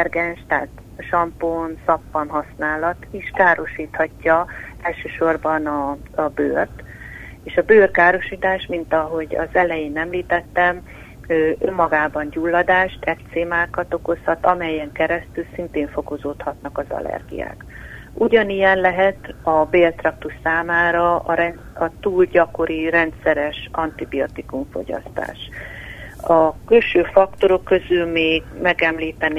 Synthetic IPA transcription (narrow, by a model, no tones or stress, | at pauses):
ɛrɡɛnʃt̪a̰ːt̪ | ʃɒmponsɒpːɒnɦɒsnaːlɒt̪iʃkaːɾo̞ʃiːt̪hɒcːɒɛlʃøːʃo̞rbɒnɒbøːrt̪ | eːʃɒbøːrkaːɾo̞ʃiːt̪aːʃmint̪ɒɦo̞ɟɒ̰zɛlɛjeːnɛmliːt̪ɛt̪ːɛm | øːʔømːɒɡaːbɒnɟulːɒd̪aːʃt̪ɛt̪seːmaːkɒt̪o̞ko̞shɒt̪ɒmɛjːɛŋkɛɾɛst̪ylsint̪eːɱfo̞ko̞zoːt̪hɒt̪nɒkɒzɒ̰lɛ̰rɡḭja̰ːk | uɟɒnijɛnlɛɦɛt̪ɒbeːlt̪rɒk̚t̪uʃsaːmaːɾɒɾɛn | ɒt̪uːlɟɒko̞ɾirɛnt̪sɛɾɛʃɒnt̪ibio̞t̪ikuɱfo̞̰ɟɒ̰st̪a̰ːʃ | ɒkylʃøːfɒkt̪o̞ɾo̞kːø̞zylmeːɡmɛɡɛmliːt̪ɛn